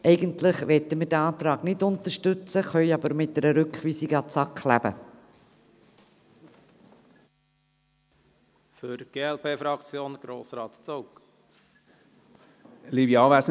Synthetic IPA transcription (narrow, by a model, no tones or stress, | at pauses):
ʔɛɪɡəntlɪχʋɛtəmɪdɛɑːt̪ɾɑːɡnɪdʊnt̪əʃtʉt͡səχœʏɑbəɾmɪt̚dɛɾəɾʏkχʋiːsiɡəɑt͡sɑklæb̥ə̰ | føɾɡ̥eːɛlpʰeːfɾɑkt͡sjoːnɡ̥ɾoːsɾɑːt̪t͡sowk | libjɑːʋæs